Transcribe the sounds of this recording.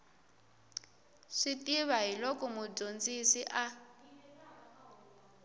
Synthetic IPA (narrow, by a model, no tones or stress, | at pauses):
ʂitʼiβaɦilɔkɔmud͡ʒond͡zisiʔa